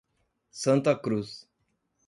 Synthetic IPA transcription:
sɐ̃nt̪ɐkɾus

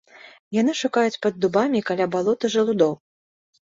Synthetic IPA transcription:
janɨʂukajut͡sʲpɐd̪ːubamʲikalʲabalˠɔt̪ɨʐɐlˠud̪ɔw

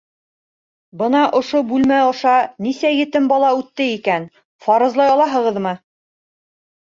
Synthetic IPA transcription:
bɤnɑʔŏʃobʉlmæŏʃɑnisæjɘ̆t̪ɘmbɑlˠɑʉt̪ːɘikæn | fɑɾɤ̆zlˠɑjɑlˠɑɦɤ̆ʁɤ̆ðmɤ

